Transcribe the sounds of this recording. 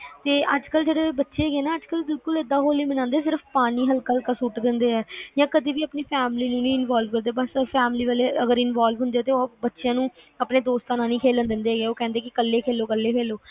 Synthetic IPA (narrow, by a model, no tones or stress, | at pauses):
t̪eːʔəd͡ʒkəld͡ʒeːɽeːbətːʃeːɡeːnaːəd͡ʒkəlbɪlkʊlɪd̪ːãːɦoːliːmənãːnd̪eːs̬ɪɾəpʰpaːɽ̃iːɦəlkaːəlkaːsuːʈd̪ɪnd̪eːɛːjãːkəd̪iːbiːəpniːpʰɛːmliːnũːnĩːɪnʋaːlʋkəɾd̪eːbəspʰɛːmliːʋəːleːəɡəɾɪnʋaːlʋɦʊ̃nd̪eaːt̪eːbətːʃejãːnũː | əpneːd̪oːst̪aːnãːnĩːkʰeːlənd̪ɪnd̪eːɦɛɡeːoːkɛ̃ːnd̪eːkɪkəlːeːkʰeːlːoːkəlːeːkʰeːloː